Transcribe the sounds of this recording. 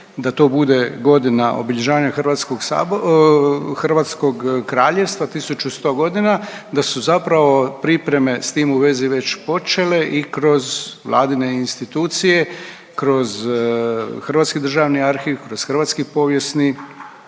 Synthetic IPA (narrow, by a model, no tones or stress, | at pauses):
d̪at̪o̞ːbud̪e̞ɡo̞d̪inaʔo̞̰biʎeʒaːʋaɲaxrʋaːt̪skoɡsa̰ | xr̩ʋaːt̪sko̞ɡkɾaːʎe̞ʋst̪ʋat̪isut͡ʃust̪o̞ːɡo̞d̪ina | d̪asuzapɾaʋo̞pɾipɾe̞me̞st̪iːmuʋe̞ziʋe̞t͡ɕpo̞t͡ʃe̞le̞ʔikɾo̞zʋlˠa̰ːd̪ineinst̪it̪uːt̪sije̞ | kɾo̞z | xrʋat̪skid̪r̩ʒaʋniaɾxiʋkɾo̞z̥xr̩ʋaːt̪skipo̞ːʋje̞sni